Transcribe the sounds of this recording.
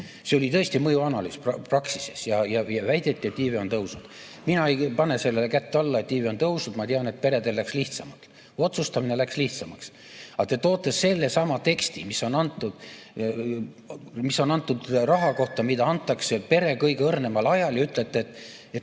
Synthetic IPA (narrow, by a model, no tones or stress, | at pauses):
seolit̪ɤ̞est̪imɤjuɑnɑlyːspɑprɑksisesjɑjɑjɑvæjd̪e̞t̪ʲːˑie̞t̪ːˑiːveo̞nt̪ɤwsud̪̥ | minɑejpɑne̞se̞lːelekæt̪ːeɑlːɑet̪ːˑiːveo̞nt̪ɤwsud̪̥mɑt̪eɑne̞t̪̚pe̞ɾed̪e̞lːæksliht̪sɑmɑt̪ːˑ | o̞t̪sust̪ɑmine̞læksliht̪sɑmɑks | ɑt̪et̪o̞ːt̪ːˑesːe̞lːesɑmɑt̪e̞kst̪imisːo̞nɑnt̪ːˑud̪̥ | misːo̞nɑnt̪ːˑud̪rɑɦɑko̞ht̪ˑɑmid̪ɑɑnt̪ːˑɑksepe̞ɾe̞kɤjɡ̥eɤrne̞mɑlɑjɑljɑyt̪ˑlet̪ːˑeet̪ːˑ | et̪